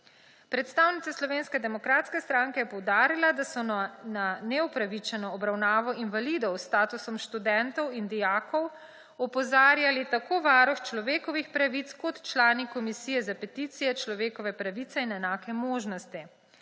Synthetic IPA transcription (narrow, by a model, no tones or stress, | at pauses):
pɾɛt̪st̪aːwnit̪aslɔʋeːnskɛd̪ɛmɔkɾaːt̪skɛst̪ɾaːŋkɛjɛpɔwd̪aːɾilad̪asɔnanɛupɾaʋit͡ʃɛnɔːbɾawnaːʋɔinʋalid̪ɔwst̪aːt̪usɔmʃt̪ud̪ɛnt̪ɔwind̪ijaːkɔw | ɔpɔzaːɾjalit̪akoːʋaːɾɔxt͡ʃlɔʋeːkɔʋixpɾaʋit̪skɔt̪t͡ʃlaːnikɔmisijɛzapɛt̪it̪sijɛt͡ʃlɔʋeːkɔʋɛpɾaʋit̪sɛinɛnaːkɛmoːʒnɔst̪i